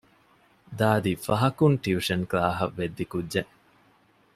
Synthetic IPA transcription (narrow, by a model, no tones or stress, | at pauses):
d̪aːd̪ifɐɦɐkunʈiuʂɐnklaːɦɐʋːed̪ːikudd͡ʒe